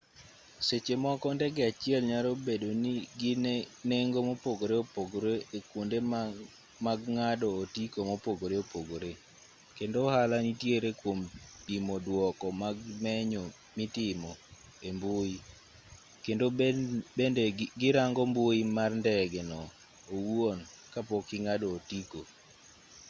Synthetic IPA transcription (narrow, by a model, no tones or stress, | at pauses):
set͡ʃemɔkɔndɛɡɛat͡ʃɪɛlɲaɾobedoniɡineŋɡomopoɡoɾeopoɡoɾeekwonde | maɡŋadɔːtikomopoɡoɾeopoɡoɾe | kendohalanitjeɾekwompimodwɔkɔmaɡmɛɲɔ | mɪtɪmɔ | emboi | kendobendeɡɪɾaŋɡɔmboimarndɛɡɛnɔ | owon | kapɔkɪŋadɔːtiko